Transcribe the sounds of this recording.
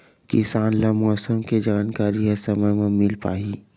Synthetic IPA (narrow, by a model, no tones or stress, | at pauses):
kɪsaːnlamɔːsəmked͡ʒaːnkaːɾiɦɛsɐməɦmẽmɪlpa̰ːiː